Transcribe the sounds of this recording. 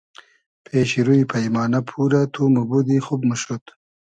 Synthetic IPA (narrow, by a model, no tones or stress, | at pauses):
pʰeːɕiɾuipʰɐjmɑːnɐpʰuːɾat̪ʰumubud̪ixubmuʃɾut̪